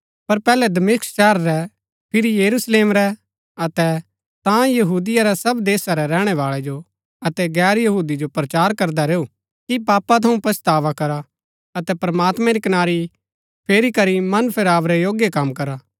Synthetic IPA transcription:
pɐɾpɛːlɛd̪ɐmɪksʃɛːɦɾːɛ | pʰɪɾijɐɾusleːmɾɛ | ɐt̪ɛ | t̪ãjɐɦuːd̪ɪjaɾɛsɐbd̪eːsaɾɛɾɛːɽ̃ɛʋaːɭɛd͡ʒo | ɐt̪ɛɡɛːɾjɐɦuːd̪id͡ʒopɾɐt͡ʃaːɾkɐɾd̪aɾeːu | kipaːpːat̪ʰɐũpɐst̪aːʋakɐɾa | ɐt̪ɛpɾɐmaːt̪mɛ̃ɾikɐnaːɾi | pʰeːɾikɐɾimɐnpʰɪɾaːʋɾɛjoːɡjekɐmkɐɾaː

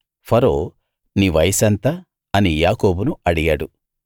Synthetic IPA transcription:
pʰɐɾoː | niːʋɐjsɐnt̪ɐ | ɐnijaːko̞ːbunuɐɽijaːɽu

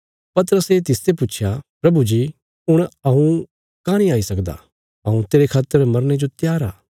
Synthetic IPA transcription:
pɐt̪əɾəset̪ɪst̪epʊːt͡ʃʰjapɾɐbud͡ʒi | ʊɽ̃ɐɦũ | kaːɽ̃ĩaːisɐkd̪a̰ | ɐɦũt̪eːɾekʰaːt̪ːəɾmɐɾned͡ʒot̪jaːɾa̰ː

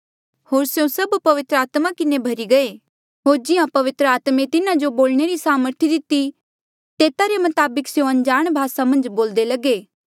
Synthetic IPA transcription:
hoːɾsjõsɐbpɐʋɪt̪ɾəaːt̪makɪnebʱɐɾiɡɐe | ɦoːɾd͡ʒɪãpɐʋɪt̪ɾəaːt̪mẽt̪ɪnãd͡ʒoboːlɽ̃eɾisaːməɾt̪ʰid̪ɪt̪i | t̪eːt̪aɾemɐt̪aːbəksjõɐ̃nd͡ʒaːɽ̃bʱaːsamɐ̃nd͡ʒboːld̪elɐɡeː

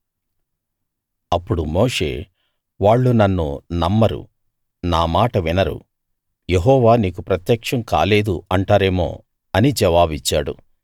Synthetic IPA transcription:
ɐpːuɽumoːʂe̞̰ː | ʋaːɭːunɐnːunɐmːɐɾṵ | naːmaːʈɐʋinɐɾṵ | jeɦɔːʋaːniːkupɾɐt̪jɐkʂɐmka̰ːle̞ːd̪uɐɳʈaːɾe̞ːmo̞̰ː | ɐnid͡ʒɛʋaːbit͡ʃːaːɽṵ

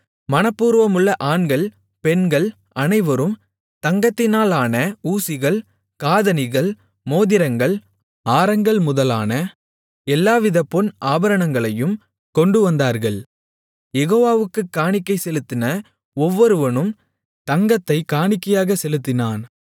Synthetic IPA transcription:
mɐnɐpːuːɾʋɐmɯɭːɐʔaːnɡɐɭ | pɛnɡɐɭ | ɐnɐɪʋɐɾɯm | t̪ɐŋɡɐt̪ːɪnaːlaːnɐuːsɪɣɐɭ | kaːðɐnɪɣɐɭ | moːðɪɾɐŋɡɐɭ | aːɾɐŋɡɐɭmʊðɐlaːnɐ | ɛlːaːʋɪðɐpːɔnʔaːbɐɾɐɳɐŋɡɐɭɐjɯm | kɔɳɖɯʋɐnd̪aːɾɣɐɭ | jɛɣoːʋaːʋɯkːɯkːaːɳɪkːɐɪsɛlɯt̪ːɪnɐ | ɔʋːɔɾɯʋɐnɯm | t̪ɐŋɡɐt̪ːɐɪkaːɳɪkːɐjaːɣɐsɛlɯt̪ːɪnaːn

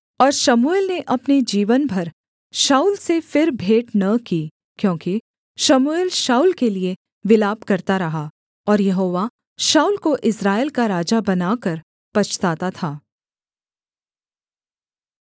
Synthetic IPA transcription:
ɔːɾʃɐmueːlneʔɐpned͡ʒiːʋənbʱɐɾ | ʃaːuːlsefɪɾbʱeːʈnɐki | kjõːki | ʃɐmueːlʃaːuːlkelie | ʋɪlaːb̚kɐɾt̪aɾɐɦa | ɔːɾjɐɦoːʋa | ʃaːulkoʔɪsɾaːɪlkaɾaːd͡ʒabɐnaːkɐɾ | pɐt͡ʃʰt̪aːt̪at̪ʰaː

